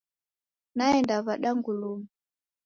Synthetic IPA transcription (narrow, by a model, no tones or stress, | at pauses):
naɛndaβaɗaŋɡulumu